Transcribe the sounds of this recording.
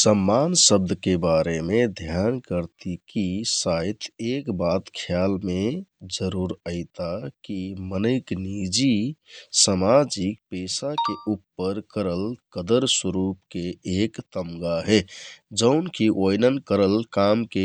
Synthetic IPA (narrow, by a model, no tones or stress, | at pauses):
səmːansəb̚d̪ʱkebaɾemed̪ʱjankəɾt̪ikisajt̪ʰekbat̪kʰjalmed͡ʒəɾuɾəɪt̪akimənəɪknid͡ʒisəmad͡ʒik̚pesakeʔupːəɾkəɾəlkəd̪əɾsəɾupkeekt̪əmɡaɦɛd͡ʒəʊnkʰiʔojnənkəɾəlkamke